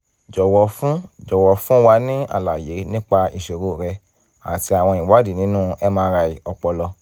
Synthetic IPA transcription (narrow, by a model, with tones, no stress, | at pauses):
d͡ʒɔ˨wɔ˨˦fũ˦d͡ʒɔ˨wɔ˨˦fũ˦wa˧nĩ˦a̰˦˨la˨je˨˦nĩ˦k͡pa˧i˨ʃo˨ɾo˧˦˨ɾɛ˧ | a̰˨ti˧a˨w̃ɔ̃˧i˨wa˦di˦˨nĩ˨˦nũ˦ɛ˦mãː˧ɾa˧i˨ɔ˧k͡pɔ˧lɔ˧